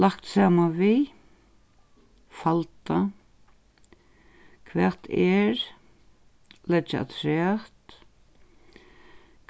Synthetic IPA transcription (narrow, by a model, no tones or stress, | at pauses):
lakt̪saːmavi | falt̪a | kʰvɛːt̪ʰɛɾ | lɛd͡ʒaa̰t̪ʰɾɛːht̪ | k